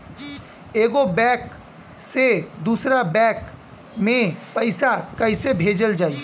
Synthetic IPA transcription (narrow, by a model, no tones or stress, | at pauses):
eːɡobɛːk | sed̪uːsɾabɛːk | mẽpəɪsakəɪsebʱeːd͡ʒəld͡ʒaːi